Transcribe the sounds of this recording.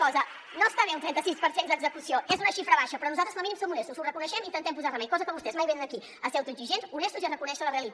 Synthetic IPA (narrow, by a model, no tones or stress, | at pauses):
ɔzə | nõst̪aβeunt̪ɾɛnt̪əsispəɾsend̪əɡzəkusjoʔezunəʃifɾəβaʃɐpɾɔnuzat̪ɾəznominimsomunest̪uzurəkunəʃɛmint̪ənt̪ɛmp̬uzaɾlɐmẽŋkɔzəkɔmbust̪ezmajβenənəki | əsewt̪uziʒensunest̪uzionəkunɛʃələreəlit̪